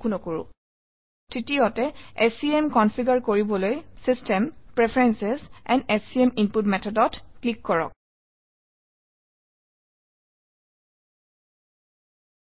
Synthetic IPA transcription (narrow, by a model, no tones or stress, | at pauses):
kunɔkoɹʊ̰ | titiɔtɛesiemkɔnpʰiɡaɹkoɹibɔlojsistɛmpɹɛpʰɹɛnsɛsɛnɛsiɛminputmɛtʰɔdɔtklikːɔɹɔ̰k̚